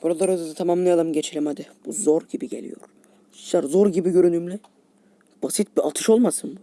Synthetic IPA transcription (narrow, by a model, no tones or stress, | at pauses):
b̥uɾalˠaɾɯzɯzɯt̪ʰamamlˠɯjalˠɯmɟet͡ʃʰilʲɛmad̪ɯb̥uzo̞ɾɟibiɟelʲḭjo̰ɾ | iʃlæɾzoɾɟibiɟø̞ɾynymlʲɛ | b̥asit̪̚biʔat̪ʰɯʃo̞lˠmasɯnbu